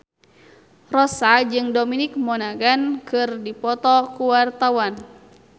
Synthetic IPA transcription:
rɔsad͡ʒɨŋdominik̚mɔnaɡankɨrdipɔt̪ɔkuwart̪awan

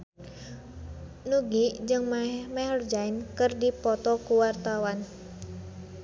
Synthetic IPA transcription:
nuɡid͡ʒɨŋmamahərd͡ʒainkɨrdipɔt̪ɔkuwart̪awan

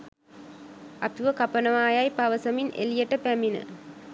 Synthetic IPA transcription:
ɐt̪uʋəkapənəʋaːjajpaʋəsəminʔḛlijəʈəpæminə̰

